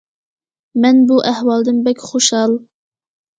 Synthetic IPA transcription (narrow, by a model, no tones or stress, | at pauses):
mɛnbuʔæhwɑlˠd̪ɪnbɛkʲχoʃhɑlˠ